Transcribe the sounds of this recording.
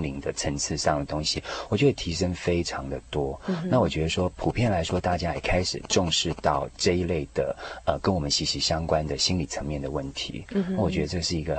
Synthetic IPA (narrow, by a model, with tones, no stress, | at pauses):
li˧˥ŋd̪ə˧ʈ͡ʂʰə˧˥ŋt͡sʰɹ̩˥˧ʂɑ˥˩ŋd̪ə˩t̪ʊ˥ŋɕi˨wɔ˨˩t͡ɕɥɛ˥d̪t̪ʰi˧˥ʂə˥ŋfe˥ɪʈ͡ʂʰɑ˧˦ŋd̪ə˨t̪wɔ˥na˥˩wɔ˨˩t͡ɕɥɛ˧˥d̪ə˧ʂwɔ˥pʰu˨˩pʰjɛ˥˩nla˧˥ɪʂwɔ˥t̪a˥˩t͡ɕja˥ḭ˨˩kʰa˥ɪʂɻ̩˨˩ʈ͡ʂʊ˥˧ŋʂɻ̩˥˧t̪ɑ˥˩ʊʈ͡ʂɤ˥˧i˧˥le˥˩ɪd̪̥ə̰˩ə˧˩kə˥nwɔ˨˩mə˦nɕi˧˥ɕi˧˥ɕjɑ˥ŋkwa˥nd̪ə˨ɕi˥nli˨˩t͡sʰə˧˥ŋmjɛ˥˩nd̪ə˩wə˥˩nt̪ʰḭ˧˥a˥˩wɔ˨˩t͡ɕɥɛ˧˥d̪ə˧ʈ͡ʂɤ˥˧ʂɻ̩˥˩i˧˥ɡə˧